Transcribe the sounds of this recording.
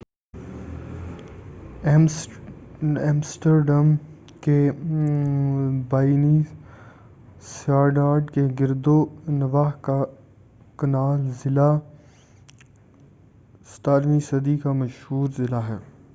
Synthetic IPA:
eːmsʈəɾɖɐm | ke | baːini | saːɾɖaːɾɖkeɡɪɾd̪onɐʋaːɦka | kɐnaːlzɪla | sʈaːɾmisɐd̪ikamɐʃhuːɾzɪlaɦɛː

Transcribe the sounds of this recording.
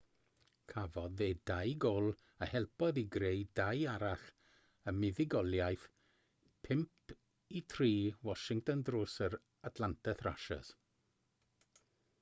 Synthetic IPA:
kʰavɔðeːdajɡɔlˠ | əhɛlˠpɔðiɡɾejdajaɾaχ | əmɪðɪɡɔlˠjajθ | pʰɪmp | itʰriːwɔʃɪŋk̚tɔndroːsəɾ | atʰlˠantʰəθra̰ʃa̰s

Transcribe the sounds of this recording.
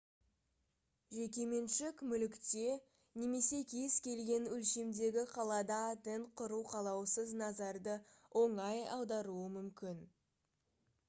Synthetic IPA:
ʒe̞kʲe̞me̞nʃɪkmʏlɪkt̪e̞ | ne̞me̞se̞kʲʰezkʲʰe̞lɡʲe̞nɵlʃe̞md̪e̞ɡʲɪqʰɑlˠɑd̪ɑt̪ent̪̚qʰʊɾuwqʰɑlˠɑwsəznɑzɑɾd̪əwʔo̞ɴɑjɑ̰wd̪ɑɾuəmʏmkʲɪn

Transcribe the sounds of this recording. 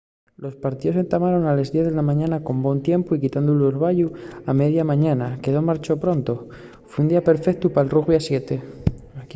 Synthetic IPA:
lo̞spaɾt̪iðos̬e̞nt̪amaɾo̞nalezðjeθðelamãɲãnako̞mbwo̞nt̪je̞mpoikit̪and̪ulelβ̞aʎuame̞ðjamãɲanake̞ðomaɾt͡ʃo̞pɾo̞nt̪o | fweund̪iapeɾfekt̪upaelruɣβjasje̞t̪e̞

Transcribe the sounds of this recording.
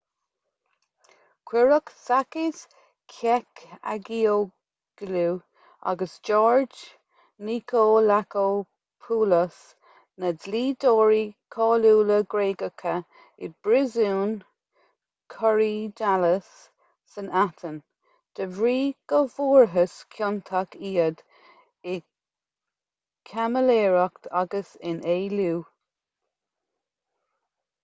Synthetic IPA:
kʰwɪɹəksakɪs | kʰɛka̰ɡiːo | ɡ̥luː | a̰ɡəsd͡ʒɔːɹd͡ʒ | niːkʰoːlako | pʰuːləs | nədliːdoːɹikʰɑːluːləɡɹeːɡəkʰə | ɪd̚bɾɪzuːn | kʰɔɹiːdaləsː | ənat̪ʰən | d̪̥əvɹiːɡ̥əvuːɹɦəskʰjɔnt̪ʰakiːəd̪̥ | ɪ | kʰaməleːɹəkt̪ʰaɡəsɪnʔeːluː

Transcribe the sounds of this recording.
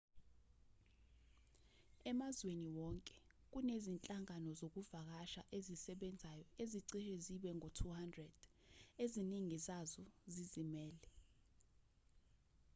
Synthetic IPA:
ɛmazweniwɔŋkʼɛ̥ | k̬unezint͡ɬʼaŋanɔzok̬uvak̬aʃaʔezisɛɓɛnd͡zʱajɔeziǀiʃɛziɓɛŋʱotʰuhandrɛd̥ | eziniŋizazɔzizimɛːlɛ

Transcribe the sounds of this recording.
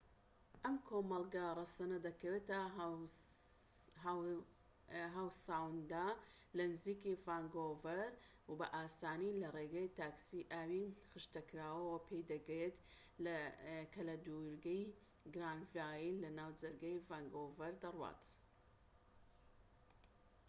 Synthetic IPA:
ʔɐmkʰoːmɐlˠɡarˤɐsɐnɐd̪ɐkɐwet̪ɐ | ɦaːwsaːwnd̪aː | lɐnɨziːkivaːŋɡovɐɾ | wbɐ̰ʔaːsaːnilɐreɡɐjt̪aːksiʔaːwixɨʃt̪ɐkɾaːwɐwɐpʰejd̪ɐɡjet̪ | lkʰɐlɐd̪uɾɡɐj | ɡɾaːnvaːjilɐnaːwd͡ʒɐɾɡɐjvaːŋɡovɐɾd̪ɐrwa̰ːt̪

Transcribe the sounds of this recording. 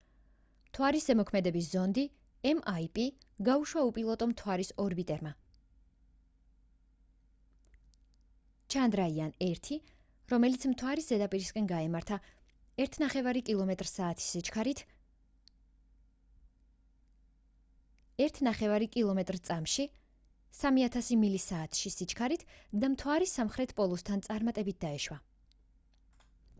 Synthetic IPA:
mt̪ʰwaɾisɛmɔkʰmɛd̪ɛbis̬zɔnd̪i | ɛmaipʼi | ɡauʃwaupʼilˠɔt̪ʼɔmt̪ʰwaɾisɔɾbit̪ʼɛɾma | t͡ʃʰand̪ɾaianɛɾt̪ʰi | ɾɔmɛlit̪sʰmt̪ʰwaɾiszɛd̪apʼiɾiskʼɛnɡaɛmaɾt̪ʰa | ɛɾt̪ʰnaχɛvaɾikʼilˠɔmɛt̪ʼɾsaːt̪ʰi̥sit͡ʃkʰaɾit̪ʰ | ɛɾt̪ʰnaχɛvaɾikʼilˠɔmɛt̪ʼɾt̪sʼamʃi | samiat̪ʰasimilisaːt̪ʰʃisit͡ʃʰkʰaɾit̪ʰd̪amt̪ʰwaɾisamχɾɛt̪ʰpʼɔlˠust̪ʰant̪sʼaɾmat̪ʼɛbit̪̚d̪aɛʃwa

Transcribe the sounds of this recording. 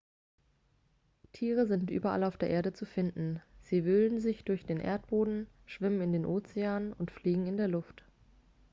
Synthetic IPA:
tʰiːʁ̞əzɪntʔy̰ːbɐʔa̰laʊfd̥eːɐʔeːɐɾət͡sufɪndn̩z̥iːvʏlənzɪçd̥ʊɐçd̥eːnʔḛɐt̚b̥oːdn̩ | ʃv̥ɪmənɪndeːnʔoːt͡seaːnʊntfliːɡŋ̩ɪndeːɐlʊft

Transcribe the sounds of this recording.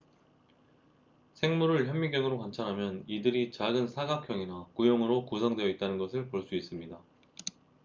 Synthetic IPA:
sʰe̞ŋmuɾɯɭçjʌŋːiɡjʌŋɯɾokwant͡ɕʰanɦamjʌnidɯɾit͡ɕaɡɯnsʰaɡakʰjʌŋinakujoŋɯɾokusʰʌŋdweʌit̚t͈anɯnɡʌsʰɯɭpoɭs͈uis͈ɯmɲida

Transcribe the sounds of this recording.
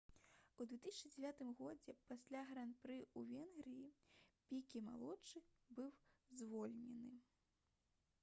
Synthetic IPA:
ud̪vʲɛt̪ɨsʲat͡ʂɨd͡zʲɛvʲat̪ɨmɣɔd͡zʲɛpasʲlʲaɣɾanpɾɨuvʲɛnɣɾɨjipʲikʲima̰lˠɔt͡ʂɨ | bɨwzvɔlʲnʲɛnɨ

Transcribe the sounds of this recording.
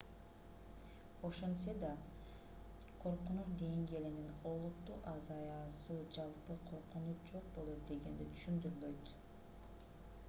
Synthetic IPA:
o̞ʃensed̪ɑ | qʰo̞ɾqunuʃd̪e̞ŋɡielinino̞lˠut̪ːuːʔɑzɑjɑsuːd͡ʒɑlˠpɯqʰo̞ɾqunut̪d͡ʒo̞q̚bo̞lˠo̞t̪̚d̪e̞ɡe̞nd̪it̪ʰy̥ʃynd̪yɾylø̞jt̪

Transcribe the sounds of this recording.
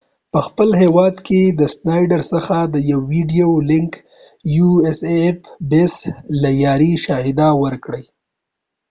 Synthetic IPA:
pəxpəlɦewɑd̪kʰed̪əsnɑjɖaɾsəxad̪əjawːiɖijolɪŋk | juesefbeslajɑɾiʃɑhɪd̪awəɾkɽəj

